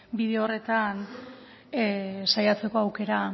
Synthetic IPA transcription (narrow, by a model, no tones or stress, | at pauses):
biðeoore̞t̪an | sajat͡se̞ko̞awke̞ɾa